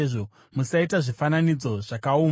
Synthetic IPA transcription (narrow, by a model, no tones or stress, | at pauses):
ʐo | musaitaʐifananid͡zo̞ʐakauːm